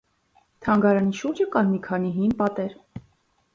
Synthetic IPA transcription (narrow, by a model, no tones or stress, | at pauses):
t̪ʰɑŋɡɑɾɑniʃuɾd͡ʒəkɑnmikʰɑniɦimpɑt̪ɛɾ